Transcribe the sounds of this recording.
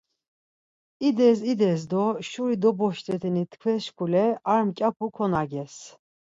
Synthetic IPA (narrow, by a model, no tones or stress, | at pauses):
id̪ɛzid̪ɛsd̪ɔʃuɾid̪ɔbɔʃt̪ʼɛt̪ʰinit̪ʰkʰwɛʃkʰulɛaɾmkʲʼapʰukʰɔnaɡɛs